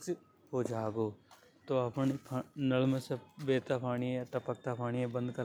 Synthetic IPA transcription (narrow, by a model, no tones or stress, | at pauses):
ɦoːd͡ʒaːɡoː | t̪oɐpɳpʰnəlmẽsebeːt̪aːpʰaːɳiẽʈɐpək̚t̪apʰaːɳijẽbə̃nd̪kəɾ